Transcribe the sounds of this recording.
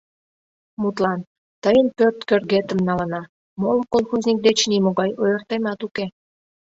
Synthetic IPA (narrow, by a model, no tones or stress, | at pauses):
mut̪lɑn | t̪əjənpørt̪kørɣet̪əmnɑlə̆nɑ | molkolˠxuzʲnʲik̚d̪et͡ɕnimoɣɑjojərt̪emɑt̪uke